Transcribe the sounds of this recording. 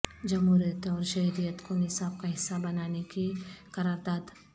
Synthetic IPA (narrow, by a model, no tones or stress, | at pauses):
d͡ʒɐmɦuːɾijət̪ɔːɾʃɐɦɾijət̪konɪsaːb̚kaɦɪsːabɐnaːnekikɐɾaːɾd̪aːd̪